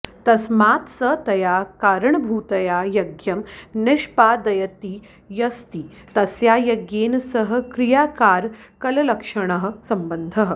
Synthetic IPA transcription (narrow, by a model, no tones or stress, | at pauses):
t̪ɐsmaːt̪sət̪ɐjakaɾəɳbʱuːt̪ɐjajɐɡjɐmnɪʂpad̪ɐjət̪iː | jɐst̪iː | t̪ɐsjajɐɡjeːnsəɦə̆kɾijakaːɾ | kɐlɐlɐkʂəɳ̃əɦə̆sɐmbənd̪ʱəɦə